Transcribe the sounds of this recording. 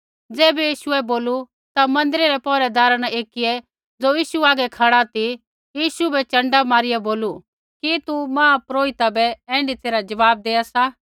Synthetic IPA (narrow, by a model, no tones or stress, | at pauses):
d͡zɛːbɛjiːʃuɛboːlu | t̪amɐ̃nd̪ɾiɾɛpɔːɾɛd̪aːɾanɛeːkɪjɛ | d͡zoːjiːʃuaːɡɛkʰaɽat̪i | jiːʃubɛt͡ʃɐ̃ɳɖamaːɾɪjɛboːlu | kit̪umãːpɾoːit̪abɛɛ̃ːɳɖit̪eːɾad͡ʒɐʋaːb̚d̪eːasa